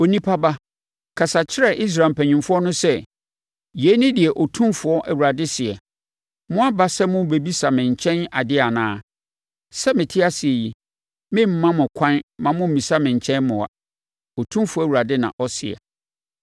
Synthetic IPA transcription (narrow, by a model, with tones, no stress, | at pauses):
o˨nĩ˦pʰa˦ba˦ | kʰa˨sa˨t͡ɕʰɪ˦ɾɛ˦ʔi˦s̬ɾa˨m̩˨pʰæ̃˨ɲĩ˨mfʊ˦ɔ˦nʊ̃˦sɛ˦˨ | je˨˦nɪ̃˦dɪ˨ɛ˨ʔɔ˨tʰũ˦mfʊ˨˦ɔ˦ʔæ˨wu˨ɾa˨dɪ˦sɪ˨ɛ˨ | mʊ̃˦a˦ba˦sɛ˦mʊ̃˦be˨bi˦sa˨mɪ̃˨ɲ˨t͡ɕʰɛ̃˦na˨dɪ˦a˨nãː˦ | sɛ˦mɪ̃˨tʰɪ˦a˦sɪ˨e˨ji˦ | mɪ̃˦m̩˨mã˦mʊ̃˨kʷʰã˦nmã˨mʊ̃˦m̩˨mĩ˨sa˦mɪ̃˨ɲ˨t͡ɕʰɛ̃˦nmʊ̃˨a̰˨ | ɔ˨tʰũ˦mfʊ˦ɔ˦˨wu˨ɾa˨dɪ˦nã̰˨ʔɔ˦sɪ̰˨ɛ̰˨